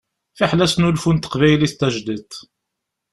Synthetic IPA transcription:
fiħlæsnulfunt̪ːə̥qvæjlist̪ːæʒd̪it̪

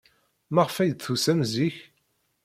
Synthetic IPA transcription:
mæʁəfæjd̪θusæmziç

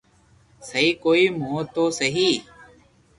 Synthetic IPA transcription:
səɦiːkoːiːmoːt̪oːsəɦiː

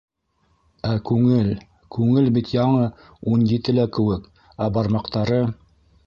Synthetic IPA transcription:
ækʉŋɘl | kʉŋɘlbit̪jɑɴɤ | unjit̪ɘlækɘ̆wɘk | æbɑɾmɑqt̪ɑɾɤ

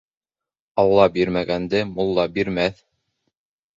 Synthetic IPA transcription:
ɑlˠːɑbiɾmæɡænd̪ɘmulˠːɑbiɾmæθ

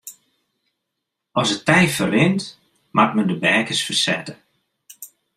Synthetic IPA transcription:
ɔsətɛjfərɪnt | mʔatməndəbɛːkəsfərsɛ̰tə

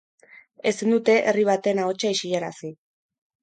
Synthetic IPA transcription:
e̞sind̪ut̪e̞ʔeriβat̪e̞naot͡ʃaiʃiʎaɾa̰si

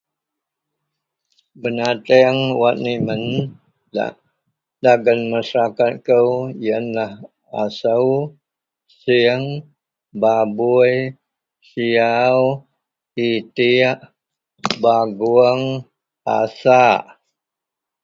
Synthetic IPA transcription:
bənat̪ɛŋwat̪̚nimən | a̰ | daɡənməsəɾakat̪̚kəwjənlah | asəw | siəŋ | babuj | siaw | it̪iʔ | baɡuəŋ | a̰saʔ

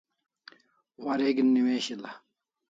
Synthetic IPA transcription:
wɐɾeːɡinːimeːɕilɐ

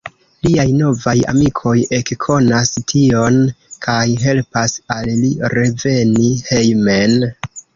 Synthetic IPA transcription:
liajno̞vaja̰mikʰo̞je̞kkʰo̞nastʰio̞nkʰajɦe̞lpasalliɾe̞ve̞nihe̞jme̞n

